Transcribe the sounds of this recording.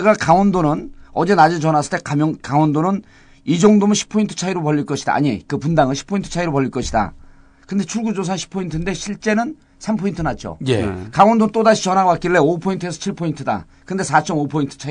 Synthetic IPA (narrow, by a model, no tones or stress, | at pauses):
ɡakaŋʌndonɯnʌd͡ʑenad͡ʑet͡ɕʌnasʰɯ̥ɭ̥t͈e̞kamjʌŋkaŋʌndonɯn | id͡ʑoŋdomɯnɕʰi̥pʰːointʰɯ̥t͡ɕʰaiɾopʌʎːiɭk͈ʌɕʰida̰a̰ɲikɯpundaŋɯnɕʰi̥pʰʌintʰɯ̥t͡ɕʰaiɾopʌʎːiɭk͈ʌɕʰida̰ | kɯnde̞t͡ɕʰuɭɡud͡ʑos̬ʰanɕʰi̥pʰʌintʰɯnde̞ɕʰiɭt͡ɕ͈e̞nɯn | sʰampʰʌintʰɯnat̚t͡ɕ͈o̰jḛkawʌndoɯnt͈odaɕʰit͡ɕʌnɦawak͈iɭːe̞opʰointʰɯes̬ʰʌt͡ɕʰiɭpʰʌintʰɯda̰ | kɯnde̞sʰat͡ɕ͈ʌmopʰointʰɯ̥t͡ɕʰai